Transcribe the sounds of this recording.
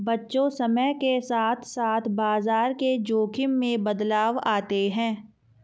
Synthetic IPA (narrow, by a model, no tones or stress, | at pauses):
bɐtːʃõsɐməɦkesaːt̪ʰsaːt̪ʰbaːzaːɾked͡ʒoːkʰɪmːẽbɐd̪laːʋaːt̪eɦɛ̃ː